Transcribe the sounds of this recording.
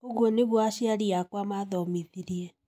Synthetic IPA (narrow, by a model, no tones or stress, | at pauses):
oɣwɔneβwaʃjaɾiakwamaðɔmiðiɾiɛ